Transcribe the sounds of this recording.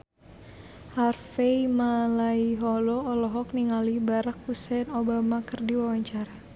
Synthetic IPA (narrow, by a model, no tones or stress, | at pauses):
harfejmalaiɦɔlɔɔlɔɦɔk̚niŋalibaɾak̚husɛnobamakərdiwawaɲt͡ʃaɾa